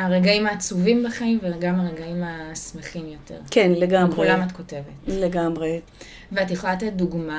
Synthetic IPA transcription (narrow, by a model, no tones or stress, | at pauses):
aʁeɡaimaːt͡suvimbeχaimveɡamaʁeɡaimasmeχimjo̞tḛʁkʰenleɡamʁelamatko̞te̞vetleɡamʁe | veatjeχolatetduɡma